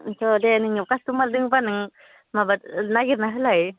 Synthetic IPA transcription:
sod̪eniŋɲukast̪umald̪ɯŋpanɯŋ | mabanaɡiɾnaɦɯlaj

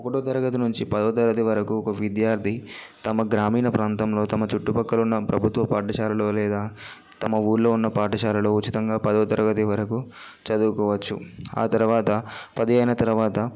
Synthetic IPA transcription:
ɔkːɐʈoːt̪ɐɾɐɡɐt̪̬inuɲt͡ʃipɐd̪ɐʋɐt̪ɐɡɐt̪iʋɐɾɐkuɔkɐʋid̪jaːɾt̪ʰi | t̪ɐmɐɡɾaːmiːnɐpɾaːnt̪ɐmlo̞ːt̪ɐmɐt͡ʃuʈːupɐkːɐlunːɐpɾɐbʱut̪ʋɐpaːʈɐʃaːlɐlo̞ːlɛːd̪aː | t̪ɐmɐuːɾlo̞ːunːɐpaːʈɐʃaːlɐlo̞ːut͡ʃit̪ɐŋɡaːpɐd̪ɐʋɐt̪ɐɾʔɐɡɐt̪iʋɐɾɐku | t͡ʃɐd̪uːkɔːʋɐt͡ʃːṵa̰ːt̪ɐɾuʋaːt̪ɐpɐd̪ijɐjnɐt̪ɐɾuʋaːt̪ɐ

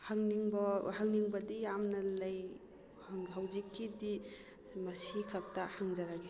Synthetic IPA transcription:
haŋniŋbahaŋniŋbɐdijamnɐlɐj | hŋɦawzikʰːidi | mɐsikʰak̚tahaŋd͡ʒaɾaɡe

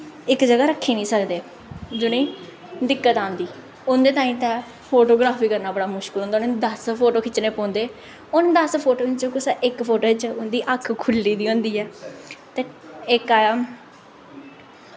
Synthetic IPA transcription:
ɪkd͡ʒəɡaːɾəkʰːeːnĩːsəkd̪eː | d͡ʒoːnẽː | d̪ɪkːət̪ãːnd̪iː | ʊnd̪eːt̪aːĩmt̪ɛ | pʰoːʈoːɡɾaːpiːkəɾnaːbəɽaːmʊʃkɪlɦõːnd̪aːʊnːd̪əspʰoːʈoːkʰɪt͡ʃneːpɔ̃ːnd̪eː | ʊnd̪əspʰoːʈoːɪt͡ʃəkʊsaʔɪkpʰoːʈoːt͡ʃʊnd̪iːʔəkʰkʰʊlːiːd̪iːõːnd̪iːɛːt̪eːɪkaːjaːm

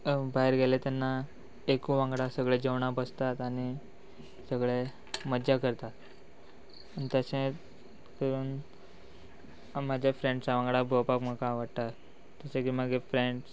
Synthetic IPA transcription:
baɦeɾɡelet̪anːa | ekũʋãŋɡɭasəɡɭed͡ʑeʋɳabəst̪at̪aɽ̃i | səɡɭe | məd͡ʑakəɾt̪at̪ | anit̪əsẽ | t̪əɾuːn | mad͡ʑʱjafɾẽɳɖsaʋãŋɡɽabʱopakməkaʋaɽt̪at̪ː | əsẽkiməɡefɾeɳɖs

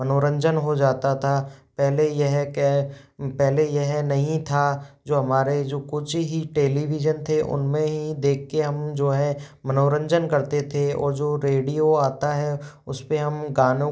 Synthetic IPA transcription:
mɐnoːɾə̃ɲd͡ʒənɦod͡ʒaːt̪at̪ʰapɛɦlejɐɦɛkepɛɦlejɐɦɛnɐɦĩt̪ʰad͡ʒoːɦɐmaːɾed͡ʒoːkʊt͡ʃʰɦiʈeːliʋɪd͡ʒənt̪ʰeʔʊ̰nmẽɦid̪eːkʰːeɦɐmd͡ʒoːɦɛmɐnoːɾə̃ɲd͡ʒənkɐɾt̪et̪ʰeɔ̰ːɾd͡ʒoːɾeːɽijoaːt̪aɦɛ | ʊspeɦɐmɡaːnõ

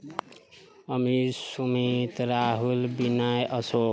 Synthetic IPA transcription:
ʌmisumit̪ɾaɦulbinajʔʌso

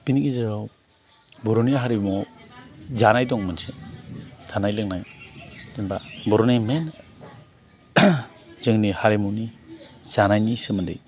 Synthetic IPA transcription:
b̥iniɡezɯɾaw | bɔɾɔnijaɦaɾimɔ | zanajdɔŋmɯnse | z̥anajlɯk̚najzinbabɔɾɔnimen | z̥ɯŋnihaɾemuwniz̥anajnisɯmandḛj

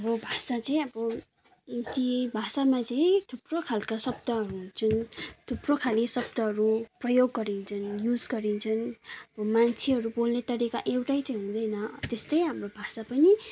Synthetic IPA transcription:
ʌbobʱasat͡sʌĩʌbʌ | t̪ibʱasamat͡sʌĩt̪ʰuprokʰalkasʌb̚d̪ʌɦʌɾut͡sunt̪ʰuprokʰalisʌb̚d̪ʌɦʌɾuprʌjoɡːʌɾint͡sʰʌnjud͡zɡʌɾint͡sʰʌnʌbʌmant͡sʰeɦʌɾubolnet̪ʌɽikaʔewʈajt̪ʌjɦũd̪ʌjnʌt̪est̪ʌjɦamrobʱasapʌni

